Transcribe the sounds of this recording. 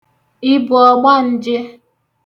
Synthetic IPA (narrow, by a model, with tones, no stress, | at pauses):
ɪ˦bʊ˨ɔ˨ɡ͡ba˦n̩˦d͡ʒɪ˦